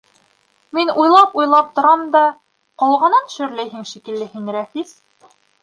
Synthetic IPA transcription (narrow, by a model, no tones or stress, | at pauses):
minujlˠɑpujlˠɑp̚t̪ŏɾɑmd̪ɑ | qɑlˠʁɑnɤnʃɵ̆ɾlæjɦɘŋʃikɘ̆lːɘhɘŋɾæfis